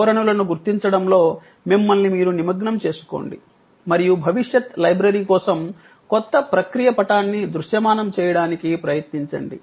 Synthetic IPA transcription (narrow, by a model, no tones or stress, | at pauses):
ɾɐɳulɐnuɡuɾt̪iɲt͡ʃɐɽɐmlo̞ː | mimːɐlnimiːɾunimɐɡɳɐmt͡ʃe̞ːsu̥ko̰ːɳɖḭ | mɐɾijubʱɐʋiʂjɐt̪lɐjbɾɐɾiːkɔːsɐm | kɔt̪ːɐpɾɐkɾijɐpɐʈaːnːid̪ɾuʂjɐmaːnɐmt͡ʃɛːjɐɽaːnikipɾɐjɐt̪niɲt͡ʃɐ̰ɳɖḭ